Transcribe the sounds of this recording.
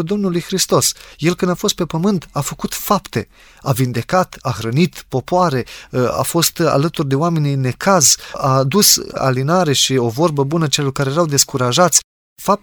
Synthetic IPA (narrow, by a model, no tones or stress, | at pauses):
d̪o̞mnulujxɾist̪o̞sje̞lkɨnd̪afo̞st̪̚pe̞pəmɨnt̪afəkut̪fapt̪e̞ | avind̪e̞kat̪axɾənit̪po̞poaɾe̞a̰fo̞st̪a̰lət̪urd̪e̞oame̞nine̞kazad̪usa̰linaɾe̞ʃio̞vo̞rbəbunət͡ʃelo̞rkaɾejeɾawd̪e̞skuɾaʒat̪sʲ | fap̚